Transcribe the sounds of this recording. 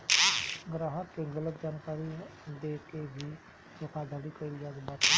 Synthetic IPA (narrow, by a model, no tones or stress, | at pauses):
ɡɾaːɦək̪keɡələt̪̚d͡ʒaːnkaːɾid̪eːkebʱi | jokʰad̪ʱəlikəilijaɡbat̪